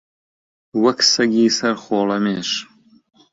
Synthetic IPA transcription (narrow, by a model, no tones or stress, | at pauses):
wɐksɐɡiːsɐɾxoːlɐmeːʃ